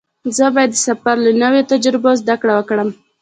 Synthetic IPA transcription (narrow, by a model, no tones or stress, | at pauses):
zəbɑjad̪ːəsafaɾlənəwet̪ad͡ʒɾɪbozd̪akɽawəkɽəm